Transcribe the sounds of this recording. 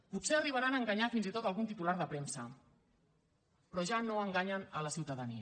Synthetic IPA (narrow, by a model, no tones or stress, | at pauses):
put̪seəriβəɾanəːŋɡaɲafinzit̪ot̪əlˠɣunt̪it̪ulaɾðəpɾemsə | pɾɔʒanoəŋɡaɲənələsiwt̪əðəniə